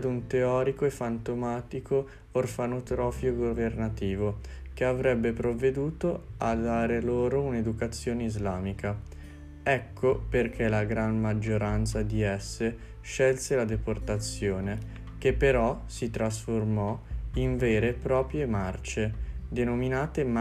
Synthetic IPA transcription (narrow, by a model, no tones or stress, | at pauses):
d̪unt̪eɔːɾikoefant̪omaːt̪ikʰoː | rfanot̪ɾɔːfjoɡovernat̪iːvo | keavɾɛbːepɾovːed̪uːt̪oad̪aːɾeloːɾouned̪ukat̪sːjoːneizlaːmika | ɛkʰːoperkʰelaɡɾanmad͡ʒːoɾant̪sad̪iɛsːe | ʃɛlselad̪eport̪at̪sːjoːne | kepːeɾɔsit̪ɾas̬formɔiɱvɛːɾepɾɔːpɾjemart͡ʃed̪enominaːt̪e